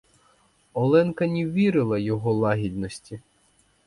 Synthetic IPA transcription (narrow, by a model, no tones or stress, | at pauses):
ɔlˠɛnkɐnʲiwʋʲiɾɪlˠɐjɔɦɔlˠɑɦʲid̪nɔsʲtʲi